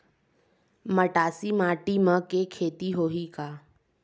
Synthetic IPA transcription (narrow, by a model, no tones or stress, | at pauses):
məʈaːsimaːʈimə̃kekʰeːt̪iɦoːɦikaː